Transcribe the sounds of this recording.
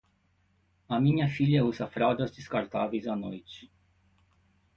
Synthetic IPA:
ɐmĩɲɐfiʎɐuzɐfɾawd̪ɐzd̪ɪskaɾt̪avejzɐnojt͡ʃɪ̥

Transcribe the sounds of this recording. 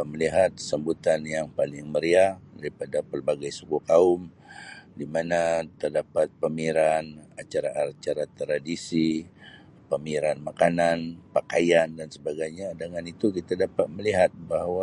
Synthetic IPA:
məliɦat̪̚səmbut̪anjaŋpalɪŋməɾiadaɾipadapərbaɡajsukukaʊm | dimanat̪ərdapat̪̚pəmiɾanat͡ʃaɾaʔaat͡ʃaɾat̪ɾadisi | pəmiɾanmakananpakajandansəbaɡajɲadəŋanit̪ukit̪adapat̪̚məliɦat̪̚bahwa

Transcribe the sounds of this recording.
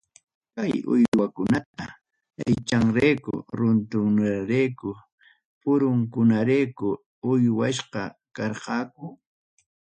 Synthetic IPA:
kajʊ̰jwakʊnat̪a | ajt͡ʃaŋɾejkʊ̰ɾʊnt̪ʊŋnaɾejkʊ | pʊɾʊŋkʊnaɾejkʊ | ʊjwaʃqɑkɑɾqɑːkʊ

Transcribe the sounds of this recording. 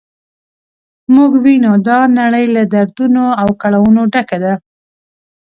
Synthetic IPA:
muɡwinod̪ɑnaɽəjlad̪aɾd̪unoawkaɭawunoɖakad̪a

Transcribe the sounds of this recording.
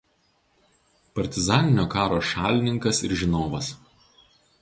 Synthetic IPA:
pɐɾʲt̪ʲɪzɑːnʲɪnʲoːkɑːɾoːʃɑːlʲɪnʲɪŋkɐsɪ̰ɾʒʲɪnoːʋɐs

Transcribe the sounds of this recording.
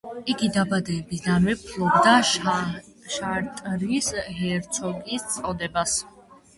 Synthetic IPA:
iɡid̪abad̪ɛːbisd̪anmɛpʰlˠɔbd̪a | ʃaɾt̪ʼɾisɦɛɾt̪sʰɔɡist̪sʼɔd̪ɛbas

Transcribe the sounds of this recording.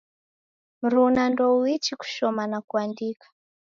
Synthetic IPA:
m̩ɾunandouit͡ʃiku̥ʃɔmanakuandiːkḁ

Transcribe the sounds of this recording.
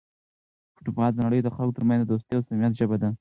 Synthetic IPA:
fʊ̥ʈupɑd̪ənaɽəjod̪əxalkot̪əɾmãnzd̪d̪ost̪əjawsamijat̪ʒəbad̪a

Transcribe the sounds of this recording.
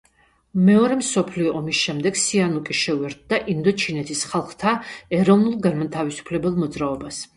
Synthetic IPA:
mɛɔɾɛmsɔpʰliɔʔɔmisʃɛmd̪ɛɡsianukʼiʃɛuɛɾt̪̚d̪aʔind̪ɔt͡ʃʰinɛt̪ʰisχalˠχt̪ʰaɛɾɔvnulˠɡanmat̪ʰavisu̥pʰlɛbɛlˠmɔd̪zɾaɔbas

